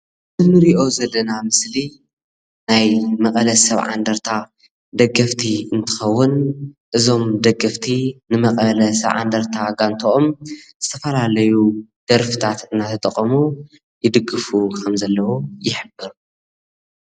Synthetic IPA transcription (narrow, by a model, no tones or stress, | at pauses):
mɨnɨɾiʔo̞zɐlːɐnamɨsli | najmɐkʼɐlɐsɐβʕa̰nd̪ɐɾt̪ʰa | d̪ɐɡːɐft̪ʰiɨnt̪ʰɨ̥xɐwːʊnʔɨzo̞md̪ɐɡɐft̪ʰinɨmɐkʼɐlɐsɐβʕa̰nd̪ɐɾt̪ʰaɡant̪ʰoʔomz̥ɨt̪ʰɐfɐlalɐjud̪̥ɐɾfɨt̪ʰat̪ɨnːat̪ʰɐt̪ʼɐqʼːɐmu | jɪd̪ɨɡɨfukʰɐmzɐlːɐwujɪħɨbɨɾ